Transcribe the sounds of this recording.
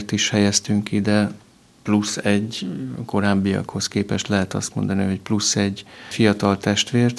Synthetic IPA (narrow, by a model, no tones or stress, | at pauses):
rt̪iʃhɛjɛst̪yŋkid̪ɛ | plusːɛɟko̞ɾaːbːiɒ̰kho̞skeːpɛʃt̪lɛɦɛt̪ɒst̪mo̞̰nd̪ɒnḭɦo̞c̚plusːɛɟfijɒt̪ɒlt̪ɛʃt̪ʋeːrt̪